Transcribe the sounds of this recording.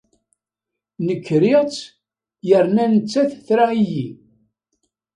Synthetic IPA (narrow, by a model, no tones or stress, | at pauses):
nəkːɾiʁt͡sː | jəɾnænət͡sːæθθɾaiji